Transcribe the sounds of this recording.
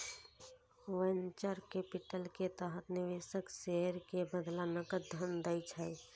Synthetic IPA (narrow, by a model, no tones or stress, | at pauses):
ʋənt͡ʃəɾkepiʈəlket̪əɦət̪nɪʋesəkseɦəɾkebəd̪lanəkəd̪ʱənd̪əjt͡ʃʰəj